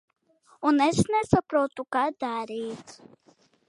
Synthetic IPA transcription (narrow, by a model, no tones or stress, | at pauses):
ɔnɛsnɛsəpɾɔt̪ukad̪aɾit̪